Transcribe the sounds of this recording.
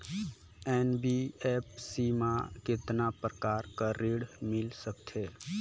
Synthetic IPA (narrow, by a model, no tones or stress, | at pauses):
ɛːnbiepsimakɪt̪napɾəkaːɾkəɾiɽmɪlsəkt̪ʰe